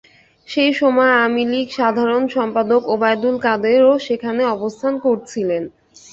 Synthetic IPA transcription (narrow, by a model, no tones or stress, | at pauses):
ʃejʃɔmɔeamilikʃad̪ʱaɾonʃɔmpad̪okobajd̪ulkad̪eɾoʃekʰaneɔbost̪ʰankoɾt͡ɕʰilen